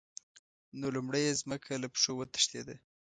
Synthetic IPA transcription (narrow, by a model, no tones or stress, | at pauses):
nolumɽəjezməkʰalapʂowət̪ə̥ʃt̪ed̪a